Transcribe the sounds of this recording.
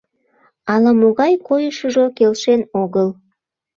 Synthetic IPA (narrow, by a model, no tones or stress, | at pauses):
ɑlˠɑmuɣɑjqʰojəʃəʒokʲelʲʃenoɡəlˠ